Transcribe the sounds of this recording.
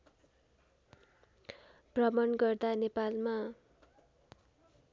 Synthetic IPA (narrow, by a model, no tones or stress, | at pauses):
prʌmʌnɡʌrd̪anepalma